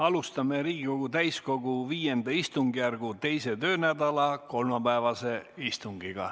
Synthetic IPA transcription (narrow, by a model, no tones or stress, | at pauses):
ɑlust̪ɑme̞ɾiːɡiko̞ɡ̥ut̪æjsko̞ɡ̥uviːje̞nd̪ɑist̪uŋɡijærɡ̥ut̪e̞jse̞t̪ø̞ːnæd̪ɑlɑko̞lmɑpæevɑse̞ist̪uŋɡ̥iɡ̥ɑ̰